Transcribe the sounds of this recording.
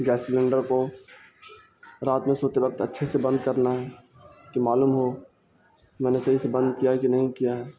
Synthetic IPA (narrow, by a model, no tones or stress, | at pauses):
ɡɛːslẽːɳɖəɾko | ɾaːt̪mẽsoːt̪eʋɐk̚t̪ətːʃʰesebə̃nd̪kɐɾnaɦɛ | kimaːluːmɦo | mɛ̃ːnesɐɦisebə̃nd̪kijaɦɛkinɐɦĩkijaɦɛː